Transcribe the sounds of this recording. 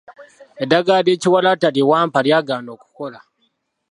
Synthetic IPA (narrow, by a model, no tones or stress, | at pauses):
edːaɡaːde̞ːciwalataliwaːmpaljaːɡaːno̞ːku̥ko̞la